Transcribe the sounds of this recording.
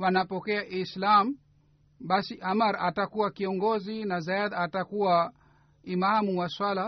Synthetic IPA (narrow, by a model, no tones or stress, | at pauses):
wanapɔkɛaʔislam̩ | ɓasiʔamaɾatakuwakiɔŋɡɔzinazaadatakuwa | imahamuwaswala